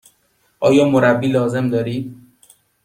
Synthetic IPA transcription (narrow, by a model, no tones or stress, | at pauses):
ʔɒːjɒːmoɾæbːiːlɒːze̞md̪ɒːɾiːd̪